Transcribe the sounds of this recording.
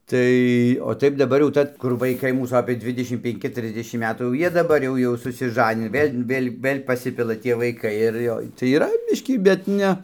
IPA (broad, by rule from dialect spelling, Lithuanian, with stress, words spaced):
ˈtɐɪ oː ˈtɐɪp dɐˈbɐr jɛʊ ˈtɐ kʊr ʋɐɪˈkɐɪ ˈmuːs ˈɑːpʲeː ˈdʲʋʲɪdʲɛʃʲɪm pʲɛŋʲˈkʲɪ ˈtʲrʲɪzʲdʲɛʃʲɪm ˈmʲæːtuː jɛʊ ˈjiɛ dɐˈbɐr jɛʊ ˈjɛʊ sʊsʲɪˈʒɑːnʲɪnʲɪ ˈʋʲeːlʲ ˈʋʲeːlʲ ˈʋɘlʲ pɐˈsʲɪpʲɪlˠɐ ˈtʲiɛ ʋɐɪˈkɐɪ ɪr ˈjoː tɐɪ iːˈrɐ ˈbʲɪʃʲkʲiː bʲɛt ˈnʲɛ